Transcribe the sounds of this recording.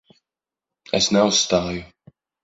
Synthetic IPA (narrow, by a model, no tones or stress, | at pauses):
ɛsnɛusst̪aːju